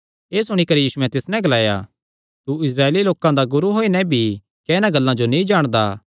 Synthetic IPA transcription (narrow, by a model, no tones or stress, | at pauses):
eːsʊɽ̃ikɐɾijiːsʊɛ̃t̪ɪsnɛ̃ɡɐlaːja̰ | t̪uɪsɾaːeːliloːkãd̪aɡʊɾuɦoːinɛ̃bʱi | kɛɪnãɡɐlːãd͡ʒonĩd͡ʒaːɽ̃d̪aː